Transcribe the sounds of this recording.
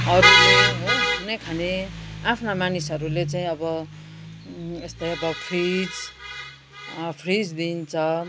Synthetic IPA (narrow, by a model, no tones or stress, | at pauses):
ɦʌɾuʌɦokunʌjkʰaneapʰnamanisɦʌɾulet͡saĩʌbʌ | est̪ʌjʌbʌpʰrid͡z | pʰrid͡zd̪int͡sʰʌ